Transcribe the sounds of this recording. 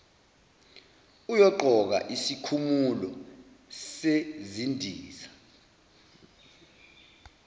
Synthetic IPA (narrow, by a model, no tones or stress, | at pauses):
ujɔǃʱɔk̬a̰ʔisikʰumulɔ | sezindʱiːzḁ